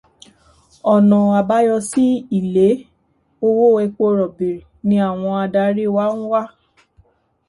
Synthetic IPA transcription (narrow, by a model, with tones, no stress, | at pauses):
ɔ˨nɔ̃˨a˨ba˦jɔ˧si˦i˦˨le˨˦ | o˧wo˦˨ɛ˧k͡po˧˦ɾɔ˨be˨ɾi˨nĩ˧a˦˨w̃ɔ̃˧a˧da˧˦ɾi˦wa˦ñ̩˦wa˦˨